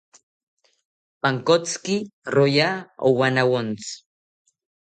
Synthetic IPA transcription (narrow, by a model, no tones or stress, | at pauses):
paŋkot͡skirojao̰wanawont͡s